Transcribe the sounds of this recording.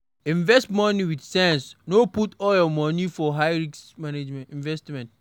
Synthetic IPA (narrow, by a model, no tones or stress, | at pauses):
ĩɱvɛstmɔniwidsɛ̃nsnoputɔljɔmɔ̃nifɔɦaɪɹiksmaned͡ʒmɛĩɱvɛstmɛ̃nt